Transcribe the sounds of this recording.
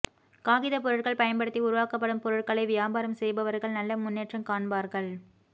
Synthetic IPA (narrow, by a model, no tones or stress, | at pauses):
kaːɣɪðɐp̬ɔɾɯʈkɐɭpɐjɐnbɐɽɯt̪ːiʊɾʊʋaːkɐpːɐɽɯmpɔɾɯʈ̚kɐɭɐɪʋɪjaːbaːɾɐmsɛjbɐʋɐɾɣɐɭnɐlːɐmʊnːeːʈrɐmkaːɳbaːɾɣɐɭ